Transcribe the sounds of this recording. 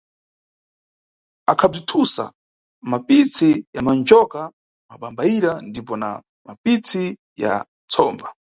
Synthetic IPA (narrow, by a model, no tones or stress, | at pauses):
akʰab͡ʐitʰusa̰ | mapit͡sʰijamand͡ʒɔka | maɓambaiɾandipɔna̰ | mapit͡sʰi | ja̰ | t͡sʰɔːmba